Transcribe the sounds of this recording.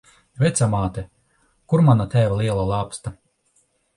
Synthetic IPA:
vɛt̪samaːt̪ɛ | kuɾmanat̪æːvaliɛlˠalˠaːpst̪a

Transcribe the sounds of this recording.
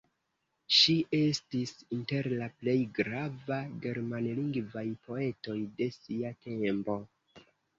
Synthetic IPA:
ʃiʔe̞stisinte̞ɾlaple̞jɡɾavaɡe̞ɾmanliŋɡvajpʰo̞e̞to̞jde̞siatʰe̞mpo̞

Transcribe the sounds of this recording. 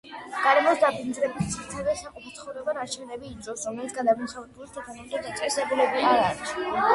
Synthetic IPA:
ɡ̥aɾɛmɔsd̪apʰind̪zɾɛbist̪sʰiɾt̪ʰɛvɛsaqʼɔpʰɔt̪sʰχɔvɾɛbanaɾt͡ʃʰɛvnɛbiːzɔfsɾɔmlɛbit̪sʰɡad̪abinsʰavɾɛbulist̪ʰat̪ʰanamit̪ʰɔd̪at̪sʼɛsɛbulɛbiaɾaɾis

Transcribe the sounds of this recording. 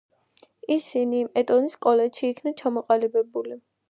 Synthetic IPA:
isinimɛt̪ʼɔniskʼɔlɛtʃiːkʰnat͡ʃʰamɔqʼalibɛbuli

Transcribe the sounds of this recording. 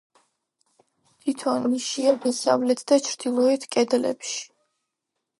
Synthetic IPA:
t̪ʰit̪ʰɔniʃiad̪ɛsa̰vlɛt̪ʰd̪at͡ʃʰɾd̪̥ilˠɔɛt̪ʰkʼɛd̪lɛ̰pʃi̥

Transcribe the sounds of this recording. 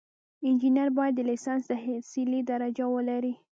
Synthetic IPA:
ɪnd͡ʒinjaɾbɑjad̪ːəlisɑnsd̪əsiled̪aɾad͡ʒawəlaɾi

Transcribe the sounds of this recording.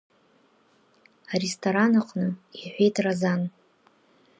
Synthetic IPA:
arestʰoɾanaqʼnɨiħʷejtʰrazan

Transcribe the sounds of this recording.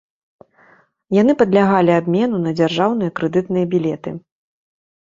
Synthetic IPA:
janɨpɐd̪lʲaɣalʲiabʲmʲɛnunɐd͡zʲarʐawnɨjɐkɾɛd̪ɨt̪nɨjɐbʲilʲɛt̪ɨ̰

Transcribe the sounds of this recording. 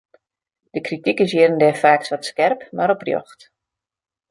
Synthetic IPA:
d̥əkritikɪs̬jɪːɾəndɛfaːksʋɔtskɛrpmaɾɔprjo̰xt

